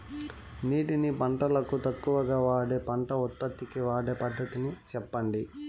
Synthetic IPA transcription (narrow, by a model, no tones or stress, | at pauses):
niːʈinipɐɳʈɐlɐkut̪ɐkːuʋɐɡaːʋaːɽeːpɐɳʈɐut̪̚pɐt̪ːikiʋaːɽeːpɐd̪ʱːɐt̪init͡ʃɛpːɐɳɖi